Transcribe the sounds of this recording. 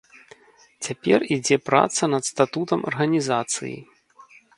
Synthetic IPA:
t͡sʲapʲɛ̰rid͡zʲɛpɾa̰t̪sɐnɐt̪st̪at̪ut̪ɐmɐ̰rɣɐnʲizat̪sɨ̰jḭ

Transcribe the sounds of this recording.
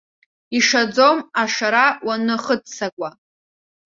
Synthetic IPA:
iʂad͡zomaʂaɾawanɨχətt͡sʰakʷʼa

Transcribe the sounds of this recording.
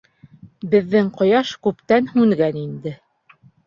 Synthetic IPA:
bɘ̆ðːɘŋqŏjɑʃkʉpt̪ænhʉŋɡænind̪ɘ

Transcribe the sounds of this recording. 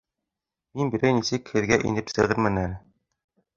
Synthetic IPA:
minbiɾæjnisɘkhɘ̆ðɡæʔḭnɘpsɘ̆ʁɘɾmɘnælɘ

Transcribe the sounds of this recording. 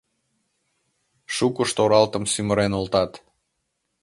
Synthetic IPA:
ʃukəʃt̪oɾɑlt̪əmsyməɾenolt̪ɑt̪

